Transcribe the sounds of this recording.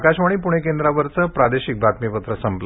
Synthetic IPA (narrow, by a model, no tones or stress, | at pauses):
kaɕʋaɽ̃ipuɽ̃ekend̪ɾaʋəɾt͡səpɾad̪eɕik̚bʱat̪mipət̪ɾəsəmpl